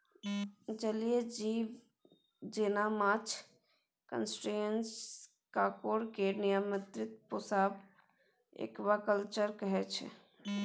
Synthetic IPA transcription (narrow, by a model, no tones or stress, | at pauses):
d͡ʒəlijed͡ʒiʋ | d͡ʒenamat͡ʃʰ | kə̰nsʈɾens | kakoɽkenijəmət̪ɾɪt̪posaːb | ḛkbakəlt͡ʃəɾkəɦɛt͡ʃʰɛ̰